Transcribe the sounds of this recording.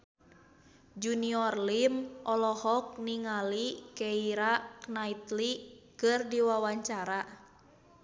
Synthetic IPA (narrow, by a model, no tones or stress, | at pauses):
d͡ʒuniɔrlimʔɔlɔhɔk̚niŋalikɛiɾaknait̪likɨrdiwawaɲt͡ʃaɾa